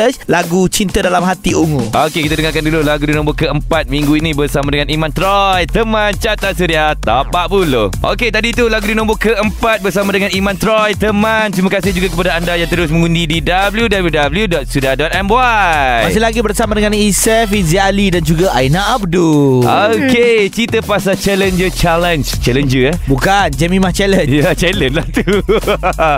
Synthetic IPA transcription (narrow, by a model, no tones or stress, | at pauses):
əslaɡut͡ʃint̪adalamɦat̪iuŋuokekit̪adəŋaɾkandululaɡudinɔ̃mbɔkəəmpat̪̚mĩŋɡuinĩbərsamadəŋanimãnt̪ɾɔjt̪əmant͡ʃat̪aʔsuɾiat̪apaʔbuloʔo̰ket̪adit̪ulaɡudinɔ̃mbɔkəʔəmpat̪̚bəɾsamãdəŋãnimãnt̪ɾɔjt̪əmãnt̪ɾimakas̬ɪhd͡ʒuɡakəpadaandajãŋt̪əɾʊs̬mə̃ŋundididabljudabljudabəljudɔt̪̚sudiadɔt̪ɛmwajmasɪlaɡibərsamadəŋãnisɛfizialidand͡ʒuɡaʔa̰inaʔap̚duoket͡ʃit̪əpasat͡ʃɛlənd͡ʒət͡ʃalənd͡ʒt͡ʃɛlənd͡ʒəbukand͡ʒɛmĩmaht͡ʃɛlənjat͡ʃɛlənlaht̪u